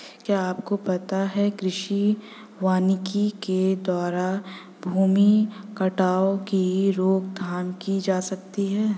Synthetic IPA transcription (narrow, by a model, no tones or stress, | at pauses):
kjaːaːpkopɐt̪aɦɛkɾɪʃi | ʋaːnɪkiked̪waːɾa | bʱuːmikɐʈaːokiɾoːk̚d̪ʱaːmkid͡ʒaːsɐk̚t̪iɦɛː